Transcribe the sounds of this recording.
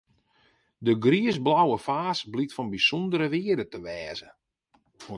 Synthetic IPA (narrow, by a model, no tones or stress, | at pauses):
dəɡriəsblawəfaːsblitfɔnbisɔndəɾəʋiədətəʋɛːzə